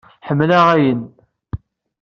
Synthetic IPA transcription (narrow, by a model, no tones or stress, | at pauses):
ħəmːlæʁæjən